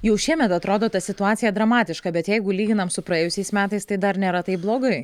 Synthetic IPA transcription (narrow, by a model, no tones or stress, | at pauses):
jɛʊʃʲiɛmʲɛt̪ɐt̪ɾoːd̪oːt̪ɐsʲɪt̪ʊɑːt̪sʲɪjɛd̪ɾɐmɑːt̪ʲɪʃkɐbʲɛt̪jɛɪɡʊlʲiːɡʲɪnɐmsʊpɾɐeːjʊsʲɛɪsmʲæːt̪ɐɪst̪ɐɪd̪ɐɾnʲeːɾɐt̪ɐɪp̚blˠoːɡɐɪ